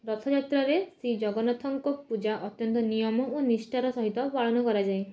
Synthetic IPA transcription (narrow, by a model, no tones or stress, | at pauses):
ɾɔt̪ʰɔd͡ʒat̪ɾɔɾesid͡ʒɔɡɔnat̪ʰɔŋkɔpud͡ʒaʔɔt̪jɔnt̪ɔnijɔmɔonisʈaɾɔsɔɦit̪ɔpaɭɔnɔkɔɾad͡ʒae